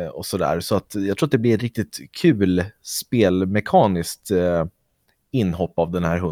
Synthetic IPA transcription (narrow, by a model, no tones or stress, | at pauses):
ɔsɔd̪æ̰ːɾsɔat̪jɑɡt̪ɾuːat̪̚d̪ɛblɪɾɛɾɪk̚t̪ɪt̪kʰʉ̟ːlspeːlmɛkʰɑːnɪskt̪ | ɪnːhɔpːavd̪ɛnhæːɾɦɵ